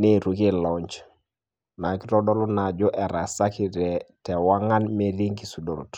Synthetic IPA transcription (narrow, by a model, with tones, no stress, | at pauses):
ne˦˨ɾu˨ke˦lɔɲt͡ʃ | ma˨ki˦tɔ˦dɔ˦lʊ˦na˨d͡ʒɔ˦ʔɛ˨ɾa˨sa˦ki˨ɾɛ˨tɛ˨wa˦ŋa˦nme˦li˦ŋki˨su˨do˨ɾṵ˨t